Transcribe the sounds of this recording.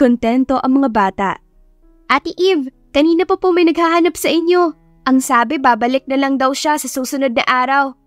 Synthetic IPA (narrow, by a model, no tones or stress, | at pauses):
ont̪ɛnt̪o̞ʔɐŋmɐŋabaːt̪a̰ʔ | ʔat̪ɪʔiv | kɐniːnɐpɐpomɐjnɐɡ̚haɦanɐpsɐʔɪɲjo̞ | ʔɐŋsaːbɛbaːbɐlɪk̚nɐlɐŋd̪ɐwʃasɐsuːsʊno̞d̪̚nɐ̰ʔaːɾɐw